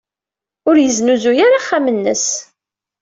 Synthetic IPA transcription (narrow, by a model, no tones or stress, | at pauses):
ʊɾjəznuzujaɾaχːamənːəs